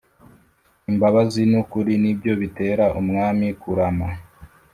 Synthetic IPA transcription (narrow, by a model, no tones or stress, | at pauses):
imbaβazinukuɾinibɟo̞βite̞ːɾaʔumŋaːmikuɾama